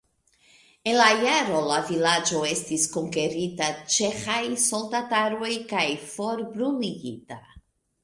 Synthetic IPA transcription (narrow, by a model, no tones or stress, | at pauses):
e̞nlajaɾo̞lavilad͡ʒo̞e̞stisko̞ŋke̞ɾitat͡ʃe̞xajso̞ldataɾo̞jkajfo̞ɾbɾuliɡita